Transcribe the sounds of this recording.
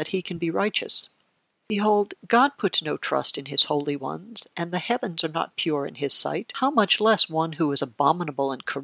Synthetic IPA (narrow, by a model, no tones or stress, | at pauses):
ɨt̚hikʰɨ̃n̩biɹaɪt͡ʃɨ̰s | b̥ɨɦoʊlˠd̚ɡɑd̚pʰʊtsnoʊtʰɹ̥ʌ̰stɨ̃nɪz̥hoʊlˠiwʌ̰̃nz̥ʔɨ̃nðɨhɛvɨ̃nzə˞nə̰t̚pʰj̥ʊɹɨ̰̃nɪz̥sa̰ɪt̚haʊmʌt͡ʃlɛswʌ̃nɦuɨzəbɑ̃mənəbl̩ˠə̃nkʰə˞